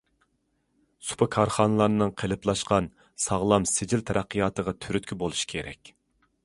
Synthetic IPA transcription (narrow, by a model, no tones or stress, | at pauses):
su̥pʰɑkʰɑɾχɑnɨlˠɑɾnɨŋqʰelɨplˠɑʃqɑn | sɑʁlˠɑmsed͡ʒɪlt̪ʰɛɾʔæqːijɑːt̪əʁɑt̪ʰyɾyt̪̚kʲʰibolˠuʃi̥kʲʰeɾɛ̰kʲ